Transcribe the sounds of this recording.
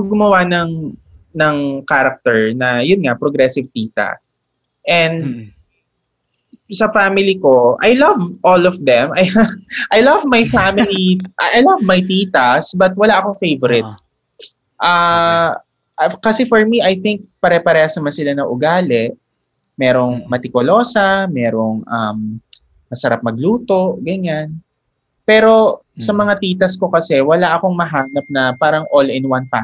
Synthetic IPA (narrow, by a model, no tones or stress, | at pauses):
ɡʊmɐwanɐŋ | nɐŋkaɾɐk̚t̪ɛɹnɐjʊnŋapɾoɡɾɛsɪvt̪iːt̪ɐ̰ | ʔɛnd̪ | sɐfamɪliko̞ʔajlɐvʔolɔfd̪ɛmʔajʔajlɐvmajfamɪliʔaʔjlɐvmɐjt̪iːt̪ɐsbɐt̪̚wɐlaʔɐkofejvɔɾɪt̪̚ | ʔa | ʔkɐsɛfoɹmiʔɐjθɪŋk̚pɐɾɛpɐɾɛːhɐsnɐmansɪlanɐʔʊɡaːlɛʔ | mɛːɾo̞ŋmɐt̪ɪkolo̞ːsɐmɛːɾoŋʔɐm | mɐsɐɾap̚mɐɡ̚luːt̪o̞ʔɡɐɲan | pɛːɾo̞ | sɐmɐŋat̪iːt̪ɐsko̞kɐsɛwɐlaʔɐko̞ŋmɐɦaːnɐp̚nɐpaːɾɐŋʔolɪnwanpa